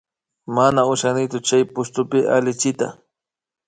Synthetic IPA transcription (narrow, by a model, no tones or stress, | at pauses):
manaʊʃanɪt͡ʃʊt͡ʃajpʊst̪ʊpɪʔa̰lɪt͡ʃɪt̪a̰